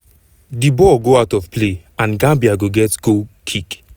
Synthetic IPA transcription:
dibɔɡoaʊtɔfple | ãnɡãmbiaɡoɡɛtɡokʰik

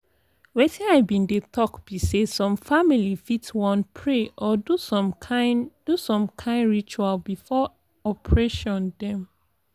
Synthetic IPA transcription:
wɛtĩaɪbĩndetʰɔkb̥isesɔ̃mfamilifitwɔ̃npʰɹeʔɔdusɔ̃mʰaɪd̥usɔ̃mkʰãɪ̃ndɹit͡ʃualbifɔ | ɔpʰɹɛʃɔ̃ndɛ̃m

